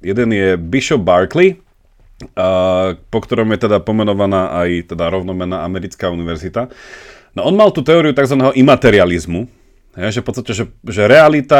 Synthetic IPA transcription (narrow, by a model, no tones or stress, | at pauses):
jɛd̪ɛnjɛbiʃɔbbaɾkli | pɔkt̪ɔɾɔmjɛt̪ɛd̪apɔmɛnɔʋanaːʔajt̪ɛd̪aɾɔʊnɔmɛnaːamɛɾit͡skauniʋɛɾzit̪a | naʔɔnmalˠt̪uːt̪ɛɔːɾiut̪aɡzʋanɛːɦɔʔimat̪ɛɾializmu | ɦɛjʒɛfpɔt͡sst̪acɛʒɛʒɛɾɛalit̪a